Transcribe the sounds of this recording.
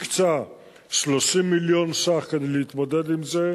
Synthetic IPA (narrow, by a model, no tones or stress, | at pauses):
kt͡sa | ʃloʃimːiljo̞nsaχkaneleit̪mod̪ed̪imze